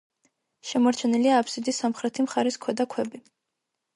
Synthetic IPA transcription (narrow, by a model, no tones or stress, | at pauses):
ʃɛmɔɾt͡ʃʰɛniliaːpʰsid̪isamχɾɛt̪ʰimχaɾiskʰwɛd̪akʰwɛbi